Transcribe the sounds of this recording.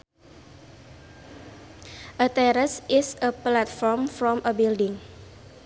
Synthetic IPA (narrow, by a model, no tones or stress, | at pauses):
ʔət̪ɛɾəsɪsəplat̪fɔɹmfɾɔ̃mʔəbildɪ̃ŋ